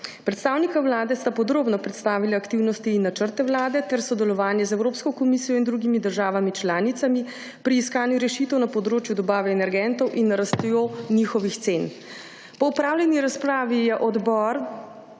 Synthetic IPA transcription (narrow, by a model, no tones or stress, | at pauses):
pɾɛt̪st̪aːwnikawlaːd̪ɛst̪apɔd̪ɾoːbnɔpɾɛt̪st̪aːʋilaakt̪iwnɔst̪iːnːat͡ʃəɾt̪ɛwlaːd̪ɛt̪ɛɾsɔd̪ɛlɔʋaːnjɛzɛwɾoːpskɔkɔmisijɔind̪ɾuɡimid̪əɾʒaːʋamit͡ʃlaːnit̪sami | pɾiːskaːnjuɾɛʃit̪ɛwnɐpɔd̪ɾoːt͡ʃjud̪ɔbaːʋɛːnɛɾɡɛnt̪ɔwʔinːɐɾast̪ɛjonixɔʋixt̪sen | pɔupɾaːwlʲɛniɾaspɾaːʋijɛʔɔd̪bɔɾ